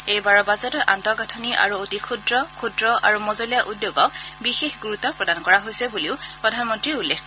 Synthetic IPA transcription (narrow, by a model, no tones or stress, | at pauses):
ejbaɹɔbazɔtɔʔantɔɡatʰoniʔa̰ɹuotikʰudɹɔkʰudɹɔʔa̰ɹumɔzolijaʔudjoɡɔk̚bixexɡuɹut̪ɔpɹɔdankɔɹaɦojsɛbuliʊpɹɔdʱanmɔntɹiulːekʰ